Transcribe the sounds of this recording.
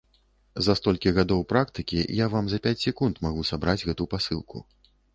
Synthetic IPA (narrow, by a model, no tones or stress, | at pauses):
zɐst̪ɔlʲkʲiɣad̪ɔwpɾak̚t̪ɨkʲḭjavamzɐpʲat͡sʲsʲɛkunt̪maɣusabɾad͡zʲɣɛt̪upasɨlˠkʰṵ